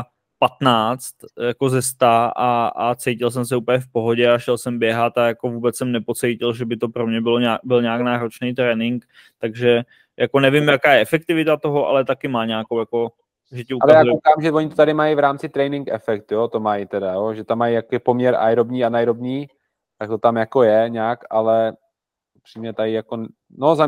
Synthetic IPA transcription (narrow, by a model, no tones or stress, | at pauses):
pat̪naːt͡st̪jako̞zɛst̪aaat͡sɛjcɪls̬ɛms̬ɛuːpəɲɛfpo̞ɦo̞ɟɛaʃɛlsɛmbjɛɦat̪ajako̞vuːbɛt͡ssɛmnɛpo̞t͡sɛjcɪlʒɛbɪt̪o̞pɾo̞mɲɛbɪloabɪlɲaaknaːɾo̞t͡ʃnɛjt̪ɾɛːnɪŋk | t̪aɡʒɛ | jʔako̞nɛvɪmjakaːjɛʔɛfɛk̚t̪ɪvɪt̪at̪o̞ɦo̞ʔa̰lɛt̪akɪmaːɲaːkowjako̞ | ʒɛcɪʔualɛzjaːkokaːmʒɛvoɲɪt̪ot̪adɪmajivɾaːmt͡sɪt̪ɾɛjnɪŋkɛ̰fɛk̚t̪jot̪o̞majit̪ɛdajoʒɛt̪amːajjakoɛpomɲɛɾʔa̰jɾobɲiːanajɾobɲiː | t̪ak̚t̪ot̪amjako̞jɛɲaːkalɛ | upr̥iːmɲɛt̪ajɪjako | noza